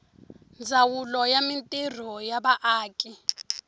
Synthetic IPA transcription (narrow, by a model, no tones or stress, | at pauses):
nd͡zʱawulɔjamintʼir̤ɔjaɓaʔaːkʼi